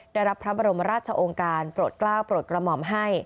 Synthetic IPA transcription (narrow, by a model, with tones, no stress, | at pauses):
daː˥˩jɾa˦˥pʰɾa˦˥ba˧ɾo˧mɾaː˥˩t̪̚t͡ɕʰa˧ʔoː˧ŋkaː˧npɾuː˨˩t̪̚klaː˥˩wpɾu˨˩t̪̚kɾa˧mɔ˨˩mɦa˥˩j